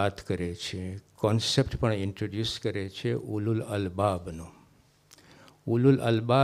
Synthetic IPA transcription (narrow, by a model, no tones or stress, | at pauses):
at̪ʰkəɾet͡ʃʰekɔnsepʈpəɳɪɳʈɾoɖjuskəɾet͡ʃʰeʔululəlbabnũ | ululə̰lba